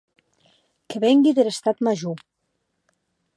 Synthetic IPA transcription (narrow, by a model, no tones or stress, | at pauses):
kəβeŋɡiðelest̪at̪maʒu